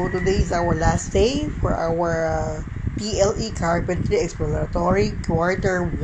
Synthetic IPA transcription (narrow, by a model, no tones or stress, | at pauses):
t̪ʊd̪ejɪzawəɹlasd̪̥eɪfɔ̰ɹʔa̰wəɹ | t̪iɛlikʰaɹbɛ̃nt̪iɛksplɔt̪ɔɹikʰwaɹt̪ɛɹw